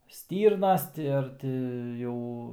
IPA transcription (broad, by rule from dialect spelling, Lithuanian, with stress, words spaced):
ˈsʲtʲiːrnɐs ˈtʲɪ ɐr tʲɪ ˈjɛʊ